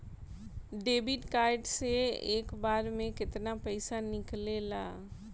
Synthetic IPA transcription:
ɖeːbɪʈkaːɪɖseeːkbaːɾmẽkɪt̪napɛɪsanɪklela̰ː

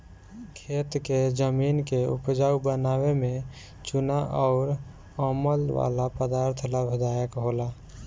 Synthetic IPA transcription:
kʰet̪ked͡ʒəminkeṵpd͡ʒaubənaweme | t͡ʃunaʔɔʊɾ | əməlʋa̰lapəd̪aɾt̪ʰlabʱɪd̪ajəkɦola

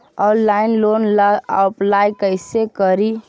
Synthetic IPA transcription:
ɔːnlaːɪnloːnlaaʊplaːjkəɪsekəɾi

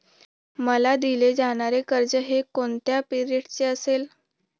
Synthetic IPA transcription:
məlad̪iled͡zaɽ̃aɾekəɾd͡zəɦekoɳt̪japiɾieʈt͡ɕeəsel

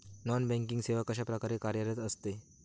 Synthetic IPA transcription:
nɔnbɛ̃ŋkiŋɡseʋakaɕ̬apɾəkaɾekaɾjaɾjat̪əst̪e

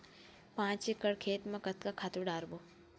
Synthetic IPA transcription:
pãːt͡ʃekəɽkʰeːt̪mãkət̪kakʰaːt̪uɖaːɾboː

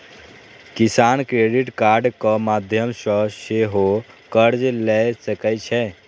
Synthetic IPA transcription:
kisankɾeɖiʈkaɾɖkəmad̪ʱjəmsə̃seɦokəɾd͡ʒlɛsəkɛt͡ʃʰɛ

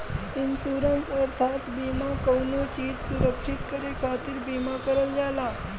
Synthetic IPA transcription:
insuɾənsəɾt̪ʰat̪bimakəwnut͡ɕiːt̪suɾəkʂit̪kəɾekʰat̪iːlbimakəɾəljala

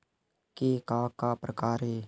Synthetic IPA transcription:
keːkaːkaːpɾəkaːɾɦeː

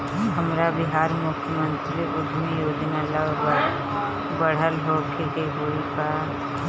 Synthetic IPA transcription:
ɦəmɾabɪɦaːɾmʊkʰjəmə̃nt̪ɾiʊd̪ʱmijoːd̪nalabə | bəɽ̤əlɦoːkʰekeɦoikʰa

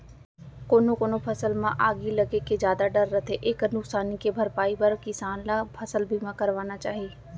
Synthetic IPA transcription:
koːnokoːnopʰɐsəlmãʔaːɡilɐɡeked͡ʒjaːd̪aɖɐɾːət̪ʰeʔeːknʊksaːnikebʱɐɾpaːibɐɾkɪsaːnlapʰɐsəlbʱimãkɐɾʋaːnat͡ʃaːɦieː

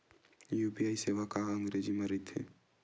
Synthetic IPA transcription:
juːpiaːiseʋakaəŋɡɾed͡ʒiməɾit̪ʰːḛ

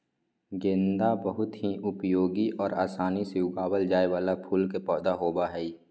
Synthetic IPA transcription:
ɡɪ̃ːnd̪abəɦʊt̪ɦiʔʊpjoːɡiʔɔːɾaːsaːnisejʊɡaːwəld͡ʒaːewaːlapʰuːlkepɔːd̪aɦoːbaɦɛi

